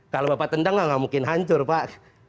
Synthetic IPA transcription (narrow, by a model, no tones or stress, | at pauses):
kalobapat̪əndaŋaŋamuŋkɪnɦaɲt͡ʃʊrpaʔ